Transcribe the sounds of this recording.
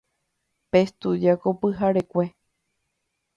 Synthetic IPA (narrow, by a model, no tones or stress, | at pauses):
pest̪ud͡ʒakopɨɦaɾekʷe̞